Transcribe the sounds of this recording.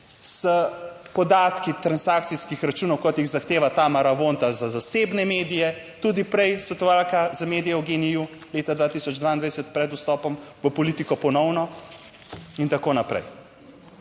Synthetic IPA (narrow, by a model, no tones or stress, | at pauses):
sə | pɔd̪aːt̪kit̪ɾansak̚t̪siskixɾat͡ʃuːnɔwkɔt̪jiɣzaxt̪eːʋat̪amaɾaʋont̪azazaseːbnɛmeːd̪ijɛ | t̪ud̪ipɾɛjsɐt̪ualkazameːd̪ijɛwɡeniju | leːt̪ad̪ʋaːt̪isɔd͡ʒd̪ʋaind̪ʋaɛɛsɛt̪̚pɾɛd̪ust̪ɔːpɔmʋəpɔliːt̪ikɔpɔnɔwnɔ | int̪akoːnapɾɛ̰j